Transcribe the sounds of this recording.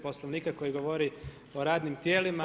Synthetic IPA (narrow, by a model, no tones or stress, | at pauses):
posloʋniːkako̞jiɡoʋoɾi | o̞ɾaːd̪nimt̪jeːlima